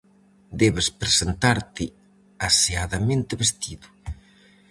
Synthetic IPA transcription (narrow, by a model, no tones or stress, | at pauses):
d̪ɛβespɾesent̪aɾt̪ɪ | aseaðamẽnt̪ɪβest̪iðʊ